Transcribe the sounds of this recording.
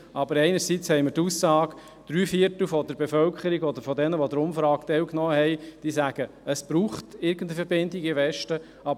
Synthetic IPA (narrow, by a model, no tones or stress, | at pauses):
ʔɑbəɾɛɪnəɾsit͡shɛɪməɾtusːɑːɡ | d̪̥ɾyːfiətl̩fɔdəɾbefœlkχəɾiɡɔd̪əɾfɔdɛnəʋod̪əɾʊmfɾɑːktɛlknɔːəhɛɪd̥iːsæɡ̥ə | əsb̥ɾuːχtɪɾɡəndəfəɾbɪndiɡɪʋɛʃtə | ɑb